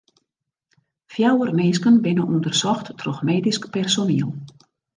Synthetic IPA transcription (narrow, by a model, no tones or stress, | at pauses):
fjawərmeːskənbɪnəʔundərsɔxtːroxmeːdiskpɛrsoniəlˠ